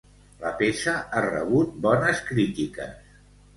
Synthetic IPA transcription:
ləpesəarə̰β̞ut̪̚bɔnəskɾit̪ikə̰s

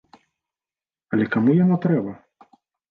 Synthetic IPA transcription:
ɐlʲɛkamujanɔt̪ɾɛbɐ

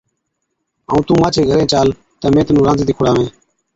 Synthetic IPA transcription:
a̰ːũːt̪ũːmaːt͡ʃʰeːɡʱəɾẽːt͡ʃaːl | t̪əːmẽːt̪ənũːɾãːziːiːkʰʊɽaːʋẽː

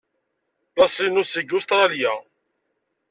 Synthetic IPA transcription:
lɑsˤlinusiɡʊst̪ɾˤɑljæ

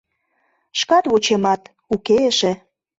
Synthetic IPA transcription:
ʃkɑt̪βot͡ɕemɑt̪ | ukeʃĕ

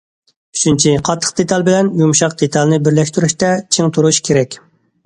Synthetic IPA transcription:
yt͡ʃʰynt͡ʃʰiqʰɑt̪ʰːə̥q̚d̪et̪ʰɑlˠbɪlɛnjumʃɑqd̪et̪ʰɑlˠnɪbɪɾlɛʃt̪yɾyʃt̪ɛt͡ʃʰeŋt̪ʰuɾuʃkʲʰeɾɛkʲ

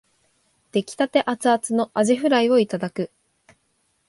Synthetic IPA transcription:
d̪̥e̞kʲi̥t̪at̪e̞ʔat͡sɨat͡sɨno̞ʔaʑiɸɯ̟ɾaio̞it̪ad̪akɯ̟

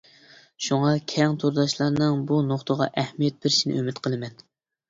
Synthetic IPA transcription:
ʃuŋɑkʲʰɛŋt̪ʰoɾd̪ɑʃlˠɑɾnɨŋbunoχt̪əʁɑ̰ʔɛhmijɛt̪̚bɪɾʃinɪ̰ʔømɪt̪qʰəlˠɨmɛn

